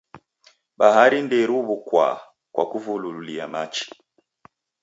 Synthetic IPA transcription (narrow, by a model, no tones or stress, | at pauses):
baɦaɾindɛɾuβukwa̰ | kwa̰kuvulululiamat͡ʃi̥